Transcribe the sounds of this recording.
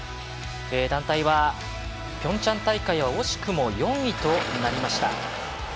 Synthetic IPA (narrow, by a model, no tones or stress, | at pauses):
eːd̪ãnt̪aiβa | pʲõ̞ɲ̟t͡ɕãnt̪aikaiβ̞aoɕi̥kɯ̟mo̞jõ̞ŋit̪o̞naɾʲimaɕi̥t̪a̰